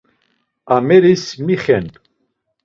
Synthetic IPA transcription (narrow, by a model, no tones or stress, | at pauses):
amɛɾismiχɛnʼ